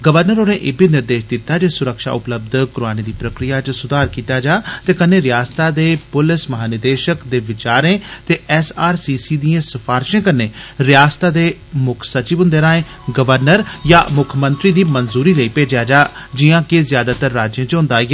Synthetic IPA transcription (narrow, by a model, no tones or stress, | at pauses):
ɡəʋəɾnəɾoːnẽːʔɪbiːnɪɾd̪eːʃd̪ɪt̪ːaːd͡ʒeːsʊɾəkʃa̰ːʊpləb̚d̪kʊɾaːneːd̪iːpɾəkɾijaːt͡ʃsʊd̪aːɾkiːt̪aːd͡ʒaːt̪eːkəneːɾɪjaːst̪aːd̪eːpʊlɪsməɦaːnɪd̪eːʃəkd̪eːʋɪt͡ʃaːɾẽːt̪eːɛsaːɾsiːsiːd̪ijãːsəfʰaːɾʃẽːkəneːɾɪjaːst̪aːd̪eːmʊkʰsət͡ʃiʋɦʊ̃nd̪eːɾãːẽː | ɡəʋəɾnəɾjaːmʊkʰmənt̪ɾiːd̪iːmənzuːɾiːləiːpeːd͡ʒjaːd͡ʒaːd͡ʒɪjãːkɪzjaːd̪aːt̪əɾːaːd͡ʒjẽːt͡ʃɦʊ̃nd̪aːe